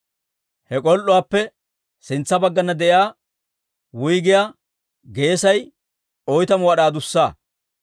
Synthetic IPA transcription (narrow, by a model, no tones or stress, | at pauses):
hɛkʼɔlʔʊwaːpːɛ | sɪnt͡sːɐbɐɡːɐnːɐd̪ɛʔjaː | wʊjɡɪjaː | ɡe̞ːsɐj | ɔjt̪ɐmʊwɐɗaːd̪ʊsːaː